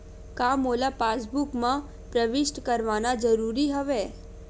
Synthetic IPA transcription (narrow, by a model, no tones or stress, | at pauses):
kamolapasbukmã | pɾəʋɪʃʈkəɾʋanad͡ʒəɾuɾiɦəʋe